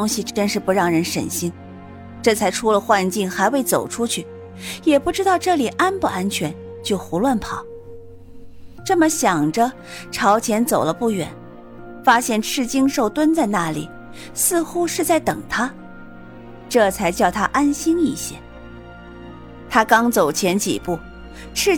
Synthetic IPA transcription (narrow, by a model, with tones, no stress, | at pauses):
ʊ˥ŋɕi˨˧ʈ͡ʂə˥nʂɻ̩˥˧pu˧˥ɻɑ˥˩ŋɻə˧˥nʂə̰˨˩nɕi˥n | ʈ͡ʂɤ˥˩t͡sʰa˧˥ɪʈ͡ʂʰu˥lə˨xwa˥˧nt͡ɕi˥˩ŋxa˧˥ɪwe˥˩ɪt͡so˨˩ʊʈ͡ʂʰu˥t͡ɕʰy˥˩ | jɛ˨˩pu˥˩ʈ͡ʂɻ̩˥t̪ɑ˥˧ʊʈ͡ʂɤ˥˩li˨˩ʔa˥npu˥˩a˥nt͡ɕʰɥɛ˧˥n | t͡ɕjo˥˩ʊxu˧˥lwa˥˩npʰɑ˨˩˦ | ʈ͡ʂɤ˥˩mə˨ɕjɑ˨˩ŋʈ͡ʂə˦ | ʈ͡ʂʰɑ˧˥ʊt͡ɕʰjɛ˧˥nt͡so˨˩ʊlə˦pu˥˩ɥɛ̰˨˩˦n | fa˥ɕjɛ˥˩nʈ͡ʂʰɻ̩˥˩t͡ɕi˥ŋʂo˥˩ʊt̪wə˥nt͡sa˥˧ɪna˥˩lḭ˨˩ | sɹ̩˥˩xu˥ʂɻ̩˥˧t͡sa˥˩ɪt̪ɤ˨˩ŋt̪ʰa˥ | ʈ͡ʂɤ˥˩t͡sʰa˧˥ɪt͡ɕjɑ˥˩ʊt̪ʰa˥ʔa˥nɕi˥ni˥˩ɕjɛ̰˥ | t̪ʰa˥kɑ˥ŋt͡so˨˩ʊt͡ɕʰjɛ˧˥nt͡ɕḭ˨˩pu˥˩ | ʈ͡ʂʰɻ̩˥˧